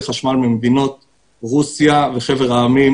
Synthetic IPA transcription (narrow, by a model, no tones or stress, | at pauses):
χaʃmalmimed̪ino̞t̪̚ | ʁusjaveχe̞veʁaːmim